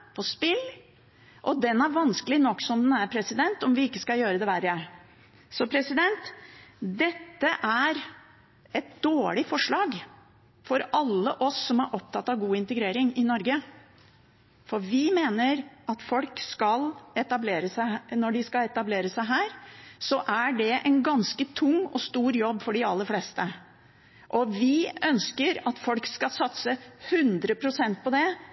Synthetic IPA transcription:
pʰɔspɪl | ʔɔd̪ɛnæɾʋɑnskəlɪnɔkːsɔmd̪ɛnæɾpʰɾɛsɪd̪ɛnt̪ɔmʋɪɪkːəskɑljøːɾəd̪ɛʋæɾəæɾ | sɔpʰɾɛsɪd̪ɛnt̪d̪ɛt̪ːəʔæɾ | ɛt̪̚d̪oːɭɪfɔʂɭɑːɡ | fɔɾɑlːəʔɔsːɔmæɾʔɔp̚t̪ʰɑt̪ːɑʋɡuːɪnt̪əɡɾeːɾɪŋɪnɔɾɡə | fɔɾʋɪmeːnəɾɑt̪fɔlkskɑlɛt̪ɑbleːɾəsæɪnɔɖɪskɑɛt̪ɑbleːɾəsæɪɦæːɾsɔʔæɖɛʔɛnɡɑnskət̪ʰʊŋːɔst̪uːɾjɔbːfɔɖɪɑlːəflɛst̪ə | ʔɔʋɪœnskəɾɑt̪fɔlkskɑlsɑt̪səhʉnd̪ɾəpʰɾʊsɛnt̪̚pɔd̪ɛ

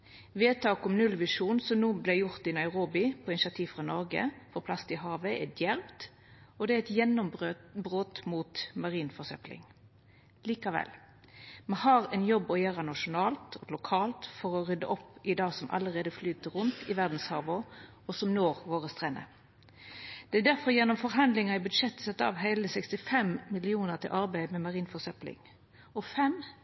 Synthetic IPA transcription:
ʋeːt̪ʰɑːkɔmnʉlʋɪʂuːnsɔmnuːblæɪjʊʁt̪ɪnɑɪʁoːbɪpʰɔɪnɪʃɑt̪ʰiːʋfʁɑnɔʁɡə̰fɔpʰlɑst̪ɪɦɑːʋəɛd̪jæʁpt̪ | ɔd̪ɛæɛt̪jɛnːɔmbøbʁoːt̪muːt̪mɑʁiːnfɔʁsœplɪ̰ŋ | liːkɑʋɛ̰l | mɛhɑːʁɛnjɔbːɔjæːʁənɑʂʊnɑːlt̪ʰɔlʊkʰɑːlt̪fɔɾɔʁʏd̪ə̰ʔɔpɪd̪ɑːɡsɔmʔɑ̰ləʁeːd̪əflyːt̪əɾʊnt̪ɪʋæʁd̪n̩shɑʁʋʊ | ɔsɔmnoːʁʋoːʁəst̪ʁɛnə̰ | d̪̥ɛæd̪æʁfɔɾjɛnːɔmfɔʁɦɑnd̪lɪŋɑɪbʉd̪ʂɛt̪ːsɛt̪ːɑ̰ʋɦæɪləsɛkst̪ɪfɛmmɪlɪuːnəʁt̪ʰɪ̰lʔɑɾbæɪmɛmɑʁiːnfɔsœplɪ̰ŋ | ɔfɛm

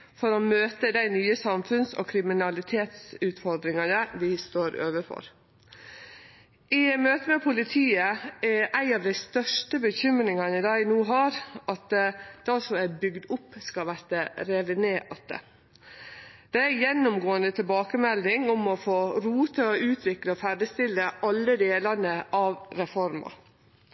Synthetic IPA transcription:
fɔɾɔmøːt̪əd̪æɪnyːəsɑmfʉnsɔ̰kʰɾɪmɪnɑlɪt̪ʰeːt̪sʉːt̪fɔɾd̪ɾɪŋɑnəʋɪst̪oːɾø̰ːʋəfɔ̰ɾ | ʔɪmøːt̪əmɛpʰʊlɪt̪ʰiːəææɪɑʋd̪æɪst̪œʂʈəbəçʏmɾɪŋɑnɪd̪ɑːnuːɦɑːɾɑt̪d̪̥ɑsɔmæbʏɡd̪ʊpːskɑlʋæɾt̪əɾeːʋ̪əneːʔɑt̪̚ə̰ | d̪̥ɛæɾjɛnːʊmɡoːənd̪ət̪ʰɪlbɑːkəmɛlːɪŋɔmɔfoːɾuːt̪ʰəɔʉːt̪ʰʋɪkləɔfæɖəst̪ɪlːəʔɑlːəd̪eːlɑnəʔɑʋɾɛfɔɾmɑ̰

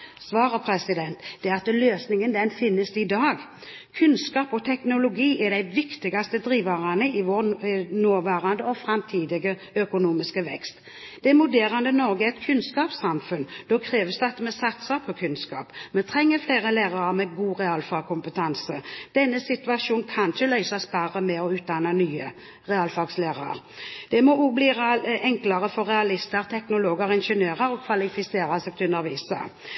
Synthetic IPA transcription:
sʋɑːɾəpʰɾɛsɪd̪ɛnt̪d̪̥ɛɾɑt̪əløːsnɪŋənd̪ɛnfɪnːəsɪd̪ɑːɡ | kʰʉnskɑːpɔt̪ʰɛknʊlʊɡiːʔɛd̪æɪʋɪkt̪ɪɡɑst̪əd̪ɾiːʋɑʁɑnəɪʋonoːʋæːɾɑnd̪əɔfɾɑmt̪ʰiːd̪ɪɡə | œkʊnuːmɪskəʋɛ̰kst̪ | d̪ɛɛmʊd̪eːɾɑnd̪ənɔɾɡəɛt̪kʰʉnskɑːpsɑmfʉnd̪ɔkʰɾeːʋəsd̪ɑt̪ːəmɛsɑt̪sɑpʰɔkʰʉnskɑ̰ːpmɛt̪ʰɾɛŋːəfleɪʁəlæːʁɑʁɑmɛɡuːʁɛɑːlfɑɡkʰʊmpət̪ʰɑnsəd̪̥ɛnːəsɪt̪ʉɑʂuːn̩kʰɑnçəlœʏsɑsbɑɾəmɛɔʉːt̪̚d̪ɑnɑnyːə | ʁɛɑːlfɑɡsleːʁɑ̰ɾ | d̪̥ɛmɔubliːʁɛŋklɑʁəfɔɾɛɑlɪst̪əʁt̪ʰɛknʊloːɡəʁɪnʃənjøːʁəɾɔkʰʋɑlɪfɪseːɾɑsɛɡ̚t̪ʰʉnəɾʋiːsə̰

